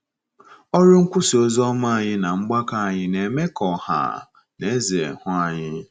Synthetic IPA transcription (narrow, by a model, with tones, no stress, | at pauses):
ɔ˦ɾʊ˦ŋ̩˦kʷʊ˦si˨o˦zɔ˦ma˦˨ɲɪ˦na˨ŋ͡m̩˦ɡ͡ba˦ka˦˨ɲɪ˦ne˨me˦kɔ˨ha̰˨ | ne˦e˦ze˨hʊ˦a˨ɲɪ˦